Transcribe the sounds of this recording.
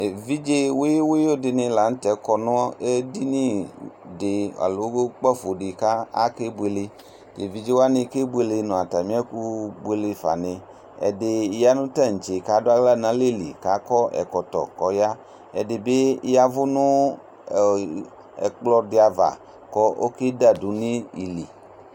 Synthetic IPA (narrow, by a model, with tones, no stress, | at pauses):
e˨vi˦d͡ʒe˦wo˦e˦wo˦jo˦dɪ˨nẽ˨la˨n̩˦t̪ɛ˨kɔ˨nɔ̃˦ɔ˦e˦di˦nĩ˦de˨a̰˨lo˨wo˦ɡo˦k͡pɔ˦fo˨ɖi˨ka˦a̰˦ke˦bu˦e˨le˨ | ke˨vi˦d͡ʒe˦wo˦a˦nẽ˨ke˦bu˦e˦le˨nɔ̃˨a˨t̪a˨mĩ˦a˦ku˦bu˦e˨le˨fa̰˨nẽ˨ | ɛ̰˨de˨ja˦nʊ̃˦ta˦˨ɲ̩˨t͡ʃe˨ka˦dʊ˦a˦ɡla˦˨nã˨˦le˦˨lḭ˨ka˨˦kɔ˦ʔɛ̰˨kɔ˨t̪ɔ̰˨kɔ˨ja˦ | ɛ˨dɪ˨be˦ja˦vʊ˦nʊ̃˦˨ | ɛ̰˨k͡plɔ˦dɪ˨˦a˨va̰˨ | kɔ˦ʔo̰˦ke˦da˦du˨nĩ˦i˨li˨